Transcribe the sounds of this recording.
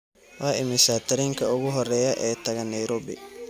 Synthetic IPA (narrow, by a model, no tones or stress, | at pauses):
waːɪmɪsaːt̪ʰɐɾiːŋkʰɐʊɣʊɦɔrɛːjɐʔɛːt̪ʰɐɣɐnɐjɾɔbɪ̰